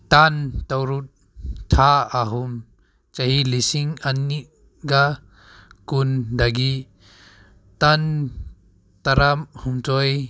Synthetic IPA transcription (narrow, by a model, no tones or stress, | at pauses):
t̪ant̪awɾut̪̚ | t̪ʰaaɦum | t͡sahilisiŋani | ɡa | kund̪aɡi | t̪an | t̪aɾamhumt͡sɔj